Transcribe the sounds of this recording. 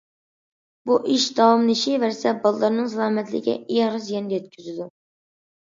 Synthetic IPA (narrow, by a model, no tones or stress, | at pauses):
buʔiʃd̪ɑwɑmnɪʃivæɾsɛbɑlˠlˠɑɾnɨŋsɑlˠɑmɛt̪lɪ̰kʲɛ̰iɾɨzjɛnd̪ɛjɛt̪̚kʲʰyzyd̪u